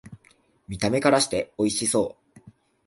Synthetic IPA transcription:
mʲit̪ame̞kaɾaɕi̥t̪e̞o̞iɕiso̞ː

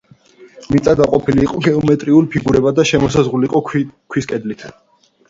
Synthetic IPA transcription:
mit̪sʼad̪aqʼɔpʰiliːqʼɔɡɛɔmɛt̪ʼɾiulipʰiɡuɾɛbad̪aʃɛmɔsazʁuliqʼɔkʰwiskʼɛd̪lit̪ʰ

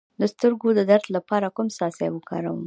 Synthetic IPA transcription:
d̪əst̪əɾɡod̪əd̪aɾt̪lapɑɾakʊmsɑsewəkɑ̰ɾawəm

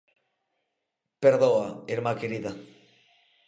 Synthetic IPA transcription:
peɾðoaeɾmakeɾiða

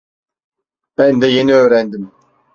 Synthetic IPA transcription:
b̥ɛnd̪ɛjeniøːɾænd̪im

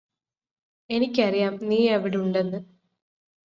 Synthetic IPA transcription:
e̞nikʲːɐrijaːmniːɐʋiɽiuɳɖe̞nːɨ

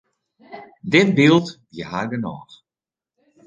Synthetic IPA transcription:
dɪtbilˠtdjəharɡənɔːx

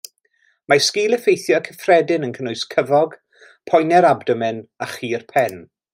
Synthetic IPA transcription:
maskiːlˠəfejθjɔkʰəfrɛdɪnənkʰənʊɨskʰəvɔɡ | pʰɔjnɛɾabdɔmɪnaχiːrpʰɛn

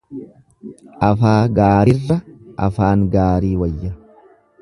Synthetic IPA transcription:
ʔɐfaːɡaːɾɪrːɐʔɐ̰faːŋɡaːɾiːwɐjːɐ

